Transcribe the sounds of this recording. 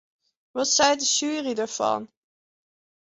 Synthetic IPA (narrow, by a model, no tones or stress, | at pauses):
ʋɑtsɛjdəʒyːridaːɹvɑ̰n